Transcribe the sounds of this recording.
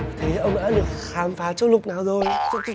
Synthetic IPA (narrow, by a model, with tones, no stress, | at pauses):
t̪ʰe˨˦ʔə˧wŋ͡mɗa̰ː˧˥ɗɨ˨˩ək̚xaː˨˦mfaː˨˦t͡ɕɔ˧˦ŋ͡mlʊ˨˩k͡p̚naː˨˩wzo˨˩jzə˦˥˦